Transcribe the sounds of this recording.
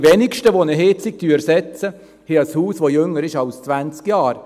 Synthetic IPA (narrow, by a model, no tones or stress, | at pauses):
vɛnɪkʃtəʋonəɦeːt͡sɪk̚t̪yːɾsɛt͡sə | heɑshuːsʋojøŋːəɾɪʃɑlst͡svænt͡skjɑːɾ